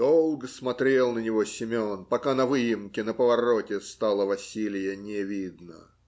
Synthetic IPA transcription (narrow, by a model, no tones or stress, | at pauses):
d̪̥olˠɡəsmɐt̪ɾʲe̞lˠnənʲɪvosʲɪmʲonpɐkanɐvɨjɪmkʲɪnəpəvɐɾotʲɪst̪ɑlˠəvɐsʲilʲɪjənʲɪvʲid̪nə̰